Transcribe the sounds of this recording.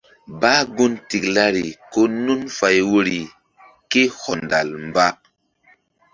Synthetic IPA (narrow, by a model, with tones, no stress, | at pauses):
ba˦ɡu˦nti˨kla˦ɾi˨ko˦nu˦nfa˨jwo˦ɾi˨ | ke˦hɔ˨nda˨lmba˦